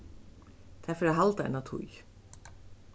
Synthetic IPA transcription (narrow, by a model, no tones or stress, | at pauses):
t̪ʰafɪɾaɦalt̪aɛ̰nat̪ʰṵj